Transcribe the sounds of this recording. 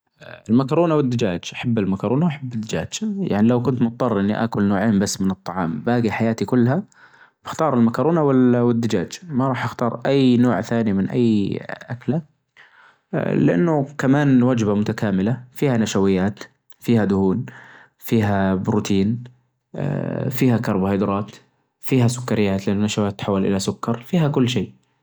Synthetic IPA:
ɪlmakɑɾˤuːnawɪd̪ːɪd͡ʒaːd͡ʒʔaħabːɪlmakɑɾˤuːnawʔaħabːɪd̪ːɪd͡ʒa̰ːd͡ʒja̰ʕnilawkʊnt̪mʊt̪̚ˤːɑrˤʔɪnːiʔa̰kʊlnoːʕeːmbasːmɪnɨt̪ˤːɑʕɑ̰ːmbaːɡiħajaːt̪ikʊlːha | b̥ɪxt̪ɑːɾˤɪlmakɑɾˤuːnawɪwɪd̪ːɪd͡ʒa̰ːd͡ʒmaɾˤɑːħʔɪxt̪ɑːɾˤʔajːnoːʕθaːnimɪnʔa̰jːʔakla | lɪʔa̰nːʊkamaːnwad͡ʒbamʊt̪akaːmɪlafiːhanaʃawɪjːaːt̪ | fiːhad̪ʊhuːn | fiːɦabɾut̪ʰiːn̰ | fiːhakɑɾˤbhjd̪ɾˤɑːt̪ | fiːɦasʊ̥kːɑɾɪjːaːt̪lɪʔanʊnaʃawaːt̪ːħawːalʔɪlasʊkːɑɾˤfiːhakʊlːʃeːʔ

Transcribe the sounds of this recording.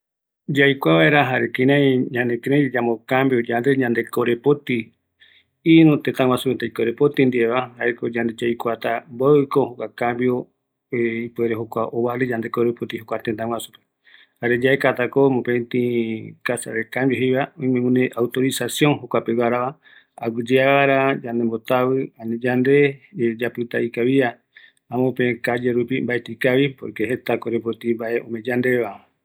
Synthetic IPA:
d͡ʒajkʷaβaeɾaɦaɾekẽɾãĩɲãnekeɾãd͡ʒamokambjod͡ʒand̪eɲãnd̪ekoɾepot̪i | iɾũt̪ẽt̪ãŋw̃ʷasupent̪aikoɾepot̪ĩnd̪ieβaɦaekod͡ʒand̪ed͡ʒajkʷat̪aboɨkohokʷakãmbjo | eipueɾeɦokʷaʔoβaled͡ʒãnd̪e̞koɾepot̪ihokʷat̪ẽnt̪ãŋʷwasupe | haɾed͡ʒaekat̪akomõpet̪ĩkasa̰ɾekambjoɦejβaõĩmẽmũneʔawt̪o̞ɾisasjoŋɦokʷapewaɾaβa | aɡɨd͡ʒeaaɾad͡ʒand̪embo̞t̪aβɨanĩd͡ʒand̪e̞d͡ʒapɨt̪aikaβia | ãmõpẽkad͡ʒeɾupimbaet̪ikaβipo̰ɾkeɦe̞t̪akoɾep̬ot̪ĩmbaeʔõ̰mẽ̞d͡ʒand̪eβa

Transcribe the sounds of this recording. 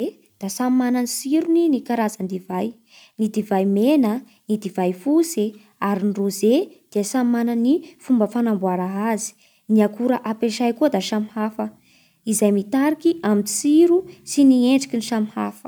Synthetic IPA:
e | d̪̥asammananisiɾuninikaɾazand̪ivaj | nid̪ivajmenə | nid̪ivajfuse | aɾinruzed̪̥iəsammanənifumbəfanambuaɾaɦazi̥ | niakuɾaʔapeʃajkuəd̪aʃamihafə | izajmit̪aɾikiʔaminsiɾusinieɳɖ͡ʐikiniʃamiha̰fə̥̰

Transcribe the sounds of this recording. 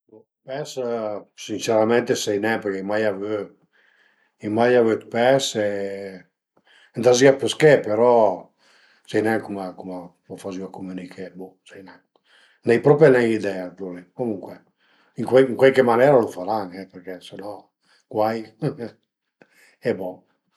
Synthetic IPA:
bo | pɛssint͡ʃeɾamɛnt̪esɛjnɛpəkɛimajavø | imajavøt̪pɛse | nd̪aziapeskepeɾɔ | sɛjnɛŋkumakuma | mafaziakomynikʰebosɛjnɛ | nɛjpɾɔpanɛjid̪ɛad̪olikomuŋkwɛ | iŋkwɛŋkwɛlkemanɛɾalofaɾaŋɛpeɾkɛsenɔ | kwaj | ɛbɔ

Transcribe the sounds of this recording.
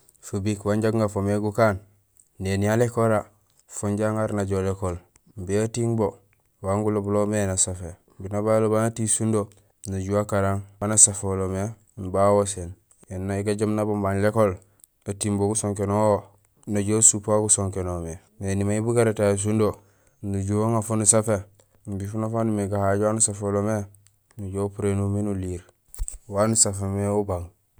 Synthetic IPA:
fubikwaɲɟaɡŋɡafomeɡukanː | enialekoɾa | fuɲɟaŋaɾnaɟolekol | mbiatiŋbo | waŋɡulobulomenasafe | binabalobanatisundo | naɟuakaɾaŋbanasafolome | mbawosen | jenːaiɡaɟomnabombanlekol | atimboɡusoŋkenoo | naɟosupaɡusoŋkenome | nenimaibuɡaɾetas̬undo | nuɟuoŋafonusafe | mbifunafanumeɡahaɟwanusafolome | nuɟopuɾenumenuliːɾ | wanusafomeubaŋ

